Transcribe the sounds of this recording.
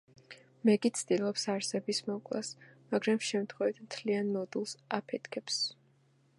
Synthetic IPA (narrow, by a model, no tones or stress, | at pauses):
mɛɡʼit̪sʰd̪ilˠɔpsaɾsɛbismɔkʼla̰smaɡɾamʃɛmt̪ʰχwɛvit̪ʰmt̪ʰlianːɔd̪ulˠsapʰɛt̪ʰkʰɛps